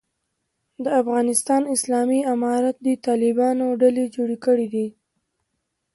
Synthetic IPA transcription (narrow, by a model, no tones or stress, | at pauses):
d̪əafɣɑnɪst̪ɑnɪslɑmiamɑɾat̪̚d̪it̪ɑlɪbɑnoɖaled͡ʒoɽekəɽid̪i